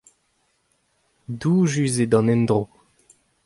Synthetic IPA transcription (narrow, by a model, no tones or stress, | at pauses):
duːʒyzed̪ɑ̃nɛnd̪ʁo